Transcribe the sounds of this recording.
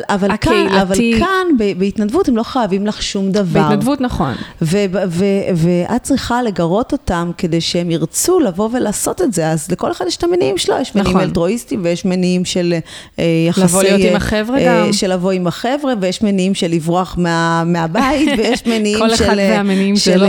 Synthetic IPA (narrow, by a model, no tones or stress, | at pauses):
avalkaavalkʰanbebeitnadvuthemlo̞χajavimlaχʃumdavtaʁnadvut̪naχo̰nvebveveʔat̚t͡sʁiχale̞ɡaʁo̞to̞tamke̞de̞jʃehemiʁt͡sulavo̞ve̞laːso̞tetze̞azleko̞leχadjeʃtameniimʃelojeʃmeniimeltʁo̞istimvejeʃmeniimʃe̞l | jaasvolijoimaχevʁeʃe̞lavo̞imaχevʁevejeʃmeniimʃelivʁoaχmeameabaitvejeʃmeniimlʃleameniimʃel